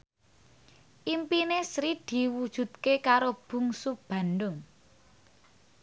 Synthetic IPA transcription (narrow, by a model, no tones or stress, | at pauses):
ʔimpinesɾid̪̥i̤wud̥ʒ̥ṳt̪̚kekaɾob̥ṳŋsub̥a̤nɖʊŋ